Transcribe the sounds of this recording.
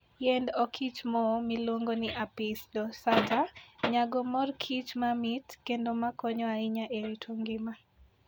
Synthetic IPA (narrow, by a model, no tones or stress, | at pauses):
jendɔkʰit͡ʃmɔmɪlwoŋɡonɪʔapɪsdɔsataɲaɡɔmɔrkʰit͡ʃmamɪtkendomakɔɲɔaɪɲaʔeɾitʰwoŋɡɪma